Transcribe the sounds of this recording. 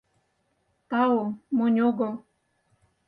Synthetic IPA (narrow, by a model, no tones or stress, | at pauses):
t̪ɑomonʲoɣɤ̆lˠ